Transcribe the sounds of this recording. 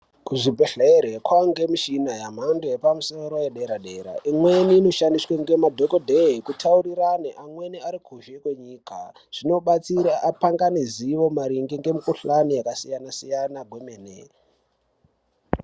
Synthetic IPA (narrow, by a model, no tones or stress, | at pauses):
kuʐibʱeɬeɾekwaŋɡemiʃinajam̤andeepamuso̞ɾo̞jeɗeɾaɗe̞ɾa̰ʔimwe̞niːno̞ʃandiswaŋɡe̞madʱokodʱeikutʰauɾiɾaneʔamwe̞niaɾikʰuʃekwe̞ɲiːka̰ | ʐ̥ino̞ɓat͡siɾaʔapaŋɡaniziʋo̞maɾiŋɡiŋɡe̞mikuɬanijakasijanasijanaɡwe̞meːnḛ